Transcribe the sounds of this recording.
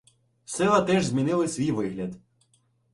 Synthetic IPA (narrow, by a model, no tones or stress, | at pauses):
sɛlˠɐt̪ɛʒzʲmʲinɪlˠɪsʲʋʲijʋɪɦlʲɐd̪